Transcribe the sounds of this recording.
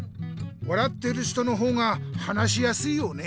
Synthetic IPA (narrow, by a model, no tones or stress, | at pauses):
βaɾat̪ːe̞ɾɯ̟ɕi̥t̪o̞no̞ɦo̞ːŋahanaɕijasɨijo̞ne̞